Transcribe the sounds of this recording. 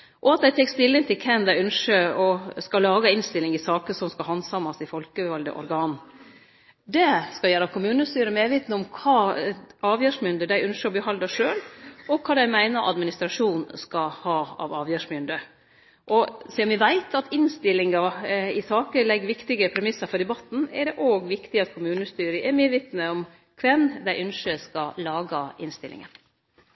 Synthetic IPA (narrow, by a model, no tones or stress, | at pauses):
ʔɔɑt̪̚d̪æɪt̪ʰɛɪkst̪ɪlːɪnt̪ʰɪlkʰɛnd̪æɪœnʂəɾɔskɑlɑːɡɑɪnst̪ɪlːɪŋɪsɑːkəsɔmskɑlɦɑnsɑmɑsɪfɔlkəʋɑld̪ə̰ʔɔ̰ɾɡɑːn | d̪ɛskɑjæːɾɑkʰʊmʉːnəst̪yːɾəmeːʋɪt̪nəɔmkʰɑːɑːʋjæːʂmʏnd̪əd̪æɪʔʉnʂəɾɔbəɦɑld̪ɑʂøːlɔkʰɑːd̪æɪmæɪnəɾʔɑ̰d̪mɪnɪst̪ɾɑʂuːnskɑhɑːɑ̰ʋɑːʋjøːʂmʏnd̪ə | ʔɔsɛɔmʋɪʋæɪt̪ʰɑt̪ɪnst̪ɪlːɪŋɑɪsɑːkəlɛɡːʋɪkt̪ɪɡəpʰɾɛmɪsːɑɾfɔɖ̪ɛbɑt̪ːn̩ɛɖɛʔoːɡʋɪkt̪ɪɑt̪kʰʊmʉːnəst̪yːɾəʔɛɾmeːd̪ʋɪt̪nəɔm | kʰʋɛnd̪æɪʔʉnʂəskɑlɑːɡɑɪnst̪ɪlʔɪ̰ŋə̰n